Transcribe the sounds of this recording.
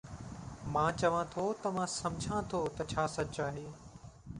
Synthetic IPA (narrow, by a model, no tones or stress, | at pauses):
mãːt͡ʃɐʋãt̪ʰot̪ɐmãːsɐ̃md͡ʒʱãt̪ʰoːt̪ɐt͡ɕʰaːsɐtt͡ʃaːɦeː